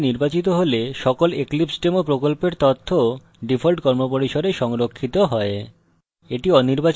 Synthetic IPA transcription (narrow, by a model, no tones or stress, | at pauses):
niɾbat͡ɕit̪oɦoleʃɔkoleklipsʈemopɾokolpeɾt̪ot̪ʰːo | ɖifʰolʈkɔɾmopoɾiʃoɖeʃɔŋɾokʰːit̪oɦɔe | eʈiɔniɾbat͡ɕ